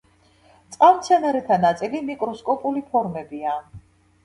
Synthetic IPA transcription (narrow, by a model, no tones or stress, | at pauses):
t̪sʼqʼavmt̪sʰɛnaɾɛt̪ʰanat̪sʼilimikʼɾɔskʼɔpʼulipʰɔɾmɛbia